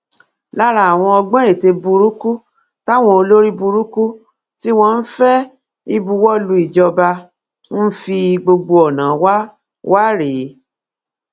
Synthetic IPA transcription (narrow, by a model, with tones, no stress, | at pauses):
la˦ɾa˧a˨w̃ɔ̃˧ɔ˧ɡ͡bɛ̃˦e˦˨te˧bu˧ɾu˦ku˦ | ta˦˨w̃ɔ̃˧o˧lo˦ɾi˦bu˧ɾu˦ku˦ | ti˦w̃ɔ̃˧n̩˦fɛ˦ | i˧bu˧wɔ˦˨lu˧i˨d͡ʒɔ˧ba˧ | n̩˦fi˧ɡ͡bo˧ɡ͡bo˧ɔ˨nã˨˦wa˦ | wʔa˦ɾe˨˦